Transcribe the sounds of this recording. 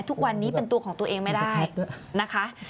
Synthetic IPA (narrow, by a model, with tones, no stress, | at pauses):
t̪ʰu˦˥k̚wa˧nːiː˦˥pe˧nt̪u˧ɐkʰɔː˩˦ŋt̪u˧əʔeː˧ŋma˥˩jdaː˥˩j | na˦˥kʰa˦˥ʔ